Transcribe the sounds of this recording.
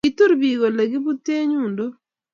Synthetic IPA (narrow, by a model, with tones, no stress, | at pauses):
ɪ˦t̪u˦ɾbi˨ɡo˨le˨ɡɪ˦bu˦t̪e˦ɲu˨ndo˦